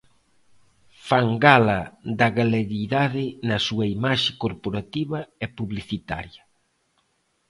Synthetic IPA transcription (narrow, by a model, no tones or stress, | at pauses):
faŋɡalɐd̪ɐɣaleɾiðaðɪnɐsuɐimaʃɪkoɾpoɾat̪iβɐɛpuβliθit̪a̰ɾjɐ